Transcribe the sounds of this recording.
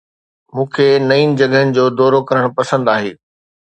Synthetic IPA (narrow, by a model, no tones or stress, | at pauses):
mũːkʰenɐiːnɪ̆d͡ʑɐɡɦənɪ̆d͡ʑoːd̪ɔːɾokɐɾəɽ̃pɐsə̃nd̪aːɦḛː